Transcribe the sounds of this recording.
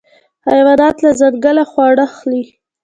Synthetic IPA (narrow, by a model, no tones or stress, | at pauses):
hajwad̪ɑt̪lazad̪ɡalaxwɑɽaxli